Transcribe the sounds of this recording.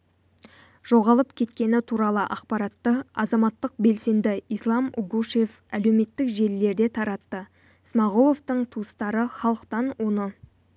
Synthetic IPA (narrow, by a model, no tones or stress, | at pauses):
ʒ̥o̞ʁɑlˠəpkʲʰe̞t̪kʲe̞nɪt̪ʰuɾɑlˠəʔɑqpɑɾɑt̪ːəɑzɑmɑt̪ːəq̚be̞lse̞nd̪ɪijslˠɑmuɡuʃef | æle̞wme̞t̪ːɪkʒe̞lle̞ɾd̪e̞t̪ʰɑɾɑt̪ːə | smɑʁulˠo̞ft̪əɴt̪ʰuəst̪ɑɾəχɑlˠəqt̪ɑnwo̞nə